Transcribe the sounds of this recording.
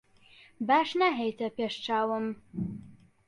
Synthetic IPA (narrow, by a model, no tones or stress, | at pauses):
baːʃnaɦejt̪ʰɐpeːʃt͡ʃaːwɨm